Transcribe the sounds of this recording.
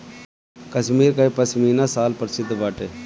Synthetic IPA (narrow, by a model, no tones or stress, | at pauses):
kəʃmiːɾkɐipɐsmiːnasaːlpəɾsɪd̪ʋaːʈeː